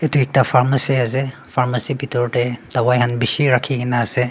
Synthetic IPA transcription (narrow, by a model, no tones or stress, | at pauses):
etuik̚tapʰaɾmɐsiaze | pʰaɾmɐsibitɔɾʈed̥awajɦɐnbisiɾakʰiɡinaɐze